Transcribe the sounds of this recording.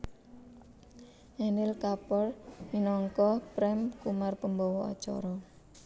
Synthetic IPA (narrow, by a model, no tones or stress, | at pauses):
ʔɛnɪlkapɔrminɔŋkɔhpɾɛmkumarpəmbɔwɔɔ̰t͡ʃɔ̰ɾɔ